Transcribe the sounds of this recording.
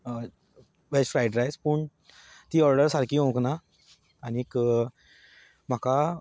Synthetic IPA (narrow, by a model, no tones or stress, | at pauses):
ʋed͡ʑfɾajɖɾajspuːɳ | t̪iːɔɾɖəɾsaɾkiːɦõknaː | ñiek | m̤aka